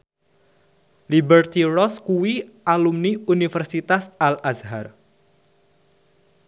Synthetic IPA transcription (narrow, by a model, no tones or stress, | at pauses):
libərt̪irɔskuwiʔalumniunifɛrsit̪asalʔasɦar